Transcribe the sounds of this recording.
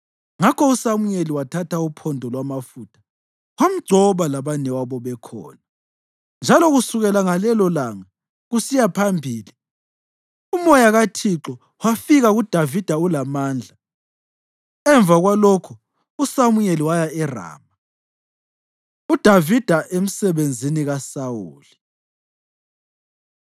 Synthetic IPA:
ŋakʰɔusamuɲeliwatʰatʰaupʰɔndʱɔlwamafuːtʰḁ | wam̩ɡ͡ǀʱɔβalaβanɛwaβɔβɛkʰɔ̰ːna | nd͡ʒʱalɔɣusuɣɛlaŋalɛlɔlaŋa | ɣusijapʰambʱiːli | umɔjaɣatʰiǁɔ | wafiɣaɣud̥ʱavid̥ʱaulamaːnd͡ɮʱa | ɛɱb̪vʱaɣwalokʰu | usamujeliwajaɛra̰ːma | ud̥ʱavid̥ʱaʔem̩sɛβend͡zʱiniɣasawṵːli

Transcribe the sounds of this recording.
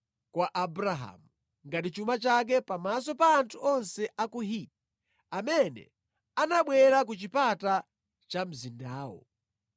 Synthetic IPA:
kwaʔabuɾaɦa̰mu | ŋɡat̬it͡ʃumat͡ʃak̬ɛpamas̬ɔpaːntʰuɔnsɛʔakuɦiti | amɛnɛ̰ | anaɓwɛɾak̬ut͡ʃipata | t͡ʃam̩zindaːwɔ̰

